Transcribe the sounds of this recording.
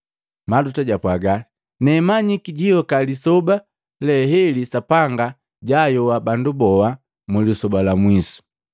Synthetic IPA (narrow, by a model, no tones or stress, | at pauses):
madutaɟapwaɡali | nɛmaɲikiɟijɔkalisɔba | lɛɦɛlisapaŋɡa | ɟajɔwabandubɔwa | mulisɔbalamwisu̥